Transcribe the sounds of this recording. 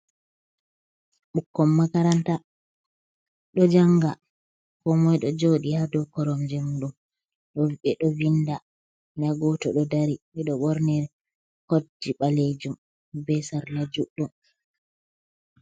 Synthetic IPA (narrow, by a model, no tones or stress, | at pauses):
ɓukːɔmːakaɾanta | ɗɔd͡ʒaŋɡa | kɔmɔjɗɔd͡ʒoɗihadɔkɔɾɔmd͡ʒɛmɗum | ɗɔɓɛɗɔvinda | naɡɔtɔɗɔdaɾiɓɛɗɔɓɔɾnɛɾ | kodiɓaled͡ʒum | bɛsaɾlad͡ʒuɗɔn